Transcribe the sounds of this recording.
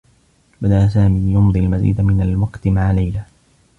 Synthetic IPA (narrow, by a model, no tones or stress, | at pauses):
bad̪aʔasaːmiːjʊnd̪ˤialmazḭːd̪amɪnalwɑqt̪maʕalajla